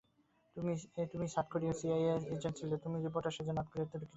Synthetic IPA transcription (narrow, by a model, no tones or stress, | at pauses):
it̪umiʃaʈ̚kʰoɾiesiajesed͡ʑeɳʈt͡ɕʰilot̪umid͡ʑipoɾʈaʃed͡ʑonat̪̚koɾet̪oɾokʰːi